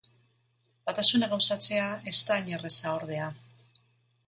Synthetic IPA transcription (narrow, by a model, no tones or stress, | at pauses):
bat̪asunaɣawsat͡se̞ae̞st̪aɲere̞saoɾðe̞a